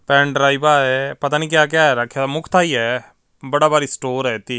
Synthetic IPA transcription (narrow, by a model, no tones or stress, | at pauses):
pɛ̃ːɳɖɾaːibaːɛpət̪aːniːkjaːk̬jaːɛːɾəkʰːjamʊkʰt̪ʰaːiːɛː | bəɽaːbaːɾiːsʈoːɾɛːt̪iː